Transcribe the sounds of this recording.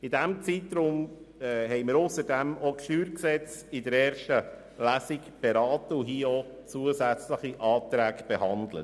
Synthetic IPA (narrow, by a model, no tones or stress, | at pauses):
ɪdæmt͡sit̪ɾʊmː | hɛɪmɪɾʊsəɾdɛmɔkʃtyːɾksɛt͡sɪdəɾɛːɾʃtə | læsikb̥ɛɾɑːtəʊɦiɔ | t͡suəzæt͡sləχiʔɑːt̪ɾæːkb̥ɛhɑnd̪lə̰